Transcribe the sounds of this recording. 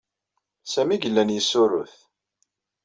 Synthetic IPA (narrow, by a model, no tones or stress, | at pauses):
sæmiɡəlːænjəsːʊɾʊθ